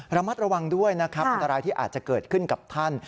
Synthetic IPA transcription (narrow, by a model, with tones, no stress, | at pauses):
ɾa˧ma˦˥t̪̚ɾa˧wa˧ŋdu˥˩əjna˦˥kʰɾa˦˥pʔa˧nt̪a˧ɾaː˧jt̪ʰiː˥˩ʔa̰ː˨˩t̪̚t͡ɕa˨˩kɤː˨˩t̪̚kʰɯ˥˩nka˨˩p̚t̪ʰa˥˩n